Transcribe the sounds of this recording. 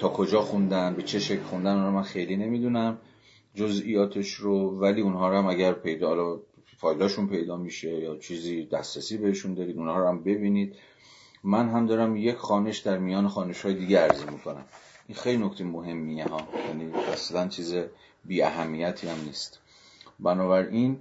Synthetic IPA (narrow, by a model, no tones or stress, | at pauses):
t̪ʰɒːkʰo̞d͡ʒɒːxund̪ænbe̞t͡ʃʰe̞ʃecʰlxund̪ænɒːlɒmænxe̞jliːne̞miːd̪unæm | d͡ʒozijɒːt̪ʰe̞ʃɾovæliːunɦɒːɾoæmæɟæɾpʰe̞jd̪hlɒ | fɒːjlɒːʃunpʰe̞jd̪ɒːmiʃe̞jɒːt͡ʃʰiːziːd̪æsɾesiːbe̞heʃund̪ɒːɾiːd̪unhɒːɾoæmbe̞biːniːd̪̥ | mænɦæmd̪ɒːɾæmje̞cʰxɒːneʃd̪æɾmijɒːnexɒːneʃhɒːje̞d̪iːɟeæɾzemikʰonæ̰mʔinxejlino̞kʰt̪ʰejmoɦe̞mːiiɦɒːjæniːæ̰slænt͡ʃʰiːze | biːæɦæmːiːjæt̪ʰiːæmniːst̪ | bænɒːβæɾʔin